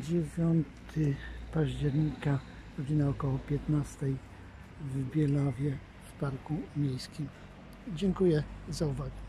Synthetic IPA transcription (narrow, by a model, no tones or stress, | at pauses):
d͡ʑevʲjɔnt̪ʰɘpaʑd͡ʑɛɾɲika | ɾɔd͡ʑinaɔkɔwɔpʲjɛt̪nast̪ɛj | vbʲjɛlavʲjɛ | fpaɾkumʲejskʲim | d͡ʑɛŋkujɛzauvaɡɛ